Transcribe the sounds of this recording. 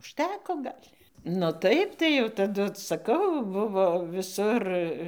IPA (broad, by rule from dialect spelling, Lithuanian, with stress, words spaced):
ʊʃʲˈtʲæːkoː ˈɡɐlʲ nʊ ˈtɐɪp tɐɪ jɛʊ tɐˈdʊ sɐˈkɐʊ ˈbʊʋoː ʋʲɪˈsʊr